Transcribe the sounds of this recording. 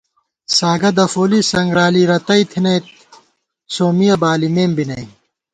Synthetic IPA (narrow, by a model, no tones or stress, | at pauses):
saːɡɐd̪ɐfoːlisɐŋɡɾaːliɾɐt̪ɐit̪ʰinɐjt̪̚ | soːmijɐbaːlimeːmbinɐi